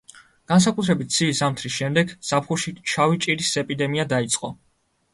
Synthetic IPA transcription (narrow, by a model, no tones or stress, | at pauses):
ɡ̥ans̬akʼut̪ʰɾɛbit̪̚d̪sʰiːszamt̪ʰɾisʃɛmd̪ɛɡz̥apχuʃit͡ʃʰavit͡ʃʼiɾisɛpʼid̪ɛmiad̪ait̪sʼqʼɔ